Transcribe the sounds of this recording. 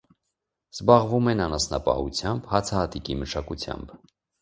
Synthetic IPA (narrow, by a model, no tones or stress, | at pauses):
z̥bɑʁvumɛnɑnɑsnɑpɑ̰hṵt͡sʰjɑmbhɑt͡sʰɑhɑt̪ikiməʃʰɑkut͡sʰjɑ̰mb